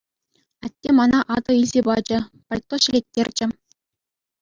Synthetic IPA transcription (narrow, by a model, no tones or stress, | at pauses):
ɑtʲːemɑnɑʔɑd̪ɤ̆ilʲzʲebɑd͡ʑɘ̆pɑlʲt̪ːoɕɘ̆lʲetʲːerʲd͡ʑɘ̆